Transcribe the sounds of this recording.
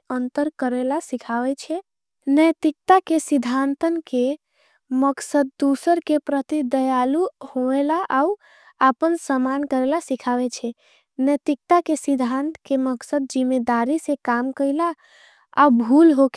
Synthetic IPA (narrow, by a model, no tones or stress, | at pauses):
ənt̪əɾkəɾelasikʰaʋɛt͡ʃʰɛ | nəjt̪ik̚t̪akesid̪ʱant̪ənke | məksəd̪̚ːusəɾkepɾət̪id̪əjaluhoelaʔau | apənsəmankəɾelasikʰaʋɛt͡ʃʰɛ | nəjt̪ik̚t̪akesid̪ʱant̪keməksəd̪̚d͡ʒimːed̪aɾisẽkamkəɪla | a̰ubʱulɦok